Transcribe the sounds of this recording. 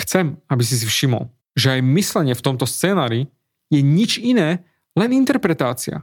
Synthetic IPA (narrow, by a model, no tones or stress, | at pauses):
xt͡sɛmabis̬is̬ifʃimɔ̰l | ʒɛajmislɛɲɪɛft̪ɔmt̪ɔst͡sɛːnaːɾi | jɛɲit͡ʃinɛː | lɛnint̪ɛɾpɾɛt̪aːt͡sia̰